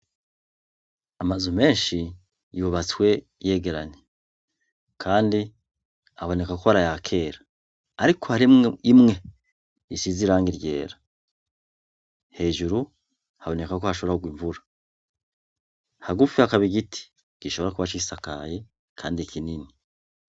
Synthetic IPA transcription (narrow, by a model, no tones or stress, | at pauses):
amazume̞ːnʃi | juβat͡swe̞ | je̞ːɡe̞ɾaɲe | kʰaːndi | aβo̞ne̞kakoβaɾajakʰe̞ːɾaː | ɾikʰo̞haɾimimŋe̞ | isiziɾaːŋɡiɾje̞̰ːɾa | he̞ːʒuɾu | haβo̞ne̞kakohaʃo̞βɾaoɡwiɱvuɾa | haɡufihakaβiɡitʰi̥ | ɡ̥iʃoβoɾakuβat͡ʃisaka̰je̞ | kʰaːndikʰinini